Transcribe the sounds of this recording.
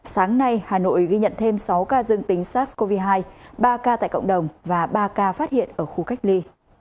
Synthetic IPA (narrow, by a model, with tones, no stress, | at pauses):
saː˨˦ŋna˧jhaː˨˩no̰˧˨jɣi˧ɲə̰˧˨nt̪ʰe˧msa˨˦wkaː˧zɨ˧əŋt̪i˨˦ŋ̟saː˦˥ko˧vi˧ɦaː˧jɓaː˧kaː˧t̪a̰ː˧˨jkə̰˧˨wŋ͡mɗə˨˩wŋ͡mvaː˨˩ɓaː˧kaː˧faː˦˥t̚hḭ˧˨ənʔəː˧˩xu˧ka˦˥jk̟̚li˧